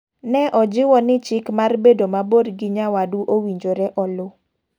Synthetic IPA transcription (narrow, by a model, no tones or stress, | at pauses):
nɛʔɔd͡ʒɪwɔnɪt͡ʃɪkmarbedomabodɡɪɲawaduʔowiɲd͡ʒoɾɛʔɔlʊ